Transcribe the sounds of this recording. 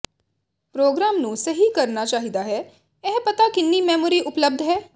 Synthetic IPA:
pɾoːɡɾaːmnũːsəɦiːkəɾnaːt͡ʃaːɦid̪aːɦɛː | ɛɦpət̪aːkɪnːiːmɛːmoːɾiːʔʊpləb̚d̪ɦɛː

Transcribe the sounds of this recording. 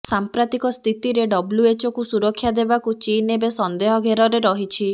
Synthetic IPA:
sampɾat̪ikɔst̪ʰit̪iɾeɖɔbluet͡ʃɔkusuɾɔkʰːjad̪ebakut͡ʃinebesɔnd̪eɦɔɡʱeɾɔɾeɾɔɦit͡ʃʰi

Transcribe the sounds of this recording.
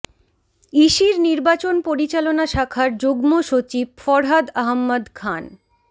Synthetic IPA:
iʃiɾniɾbat͡ɕonpoɾit͡ɕalonaʃakʰaɾd͡ʑoɡmoʃot͡ɕib̚fɔɾɦad̪aɦmːad̪kʰan

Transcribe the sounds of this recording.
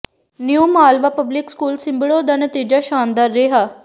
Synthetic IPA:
njuːmaːlʋapəblikskuːlsimbiɭod̪ɐnət̪iːd͡ʑaʃaːnd̪aɾːeɦa

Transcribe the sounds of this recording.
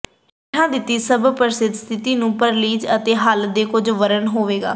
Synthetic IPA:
ɪʈʰãːd̪ɪt̪ːiːsəbpəɾɪsɪd̪st̪ʰɪt̪iːnũːpəɾliːd͡ʒət̪eːɦəld̪eːkʊd͡ʒʋəɾənɦoːʋeːɡa̰ː

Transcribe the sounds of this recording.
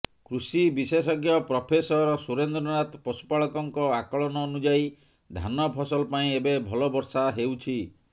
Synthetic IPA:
kɾusibisesɔɡjɔpɾɔpʰesɔɾɔsuɾend̪ɾɔnat̪pɔsu̥paɭɔkɔŋkɔakɔɭɔnɔonud͡ʒai | d̪ʱa̰nɔpʰɔsɔlɔpaĩebebʱɔlɔbɔɾsaɦewt͡ʃʰi

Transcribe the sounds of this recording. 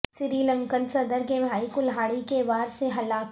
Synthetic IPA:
sɪɾiːlɐ̃ŋkənsɐd̪əɾkebʱaːikʊlɦaːɽikeʋaːɾseɦɐlaːk

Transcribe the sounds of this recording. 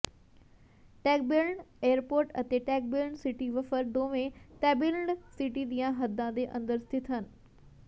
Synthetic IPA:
ʈɛːk̚bɪɾɳɖeːəɾpoːɾʈɐ̰t̪eʈɛːk̚bɪlɳɖsiʈiʋɐfəɾd̪oːʋẽt̪ɛːbɪləɳɖsiʈid̪ijãɦɐd̪ãd̪eʔɐ̃nd̪əɾst̪ʰɪt̪ɦənɪ̆

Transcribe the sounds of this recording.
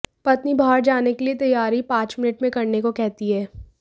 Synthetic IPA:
pɐt̪nibaɦəɾd͡ʒaːnekeliet̪ɐjːaːɾipãːt͡ʃmɪnɪʈmẽkɐɾnekokɛɦt̪iɦɛː

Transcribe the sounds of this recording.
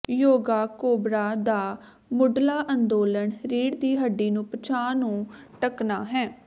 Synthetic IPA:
joːɡaːkoːbɾaːd̪aː | mʊɖlaːʔənd̪oːləɳɾiːɽd̪iːɦəɖːiːnũːpət͡ʃʰaːnũːʈəknaːɦɛː

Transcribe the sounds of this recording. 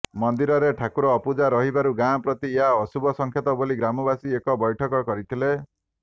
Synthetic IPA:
mɔnd̪iɾɔɾeʈʰakuɾɔːpud͡ʒaɾɔɦibaɾuɡãpɾɔt̪ieɦaɔsubɔsɔŋkʰjɔt̪ɔboliɡɾamɔbasiekɔbɔjʈʰɔkɔkɔɾit̪ʰile

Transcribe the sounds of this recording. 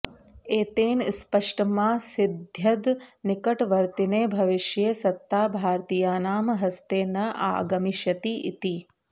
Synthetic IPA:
eːt̪eːnspɐʂʈɐmaːsid̪ʱjɐd̪nikɐʈʋɐɾt̪ineːbʱɐʋiʃjeːsɐt̪ːaːbʱaːɾt̪ijaːnaːmɐɦɐst̪eːnɐʔa̰ːɡɐmiʃjɐt̪iʔḭt̪i

